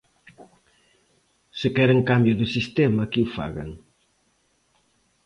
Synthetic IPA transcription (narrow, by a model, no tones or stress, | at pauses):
sekɛɾeŋkambjʊðusist̪ɛmɐkiwfa̰ɣɐ̰ŋ